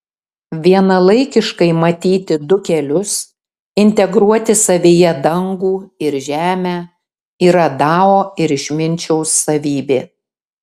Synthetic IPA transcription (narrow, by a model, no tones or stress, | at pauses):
ʋʲiɛnɐlˠɐɪkʲɪʃkɐɪmɐt̪ʲiːt̪ʲɪd̪ʊkʲɛlʲʊs | ɪnʲt̪ʲɛɡɾuɔt̪ʲɪsɐʋʲeːjɛd̪ɐŋɡuːɪɾʒʲæːmʲæː | iːɾɐd̪ɑːoːɪɾɪʃʲmʲɪnʲt͡ʃʲɛʊsːɐʋʲiːbʲeː